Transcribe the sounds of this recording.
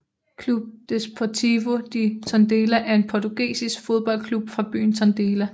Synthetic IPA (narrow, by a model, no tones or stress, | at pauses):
kʰlub̥̚d̥espʰot͡sʰiʋo̝d̥it͡sʰɒnd̥e̝ːlæʔæɐe̝npʰɒt͡sʰuɡ̥ḭːsisɡ̥fo̝ð̞ˠb̥ɒ̽l̰kʰlub̥fʁɑ̈b̥y̰ːn̩t͡sʰɒ̽nd̥e̝ːlæ